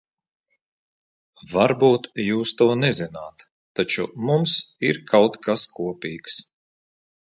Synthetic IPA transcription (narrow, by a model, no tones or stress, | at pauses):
vaɾbuːt̪juːst̪uɔnɛzinaːt̪ː | at͡ʃumumsiɾkʰawt̪kʰaskʰuɔpʲiːks